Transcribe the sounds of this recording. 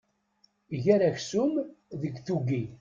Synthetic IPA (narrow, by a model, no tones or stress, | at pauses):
ʝæɾæçsʊmðəɡθuɡi